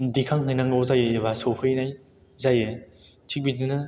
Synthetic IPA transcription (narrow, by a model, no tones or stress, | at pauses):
dikʰaŋɦɯjnaŋowzajɯebasowpʰɯjnaj | zajɯtʰik̚bidinɯ